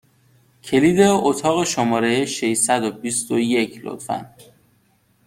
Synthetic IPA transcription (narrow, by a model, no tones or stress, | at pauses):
cʰe̞liːd̪e̞ot̪ʰɒːɣe̞ʃomɒːɾejeʃejsæd̪obist̪ojecʰlo̰t̪fæ̰n